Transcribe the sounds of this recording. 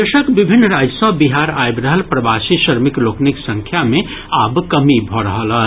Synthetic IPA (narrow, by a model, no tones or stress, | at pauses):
eʃəkbibʱinːɾad͡ʒəsəbiɦaɾajbɾəɦəlpɾəbasiʃəɾmikloːkniksə̃ŋkʰjame | abkəmibʱɔɾəɦələ